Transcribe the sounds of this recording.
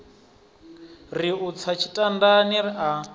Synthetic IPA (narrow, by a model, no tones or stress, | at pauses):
riut͡sʰat͡ʃʰi̥tʼandaniria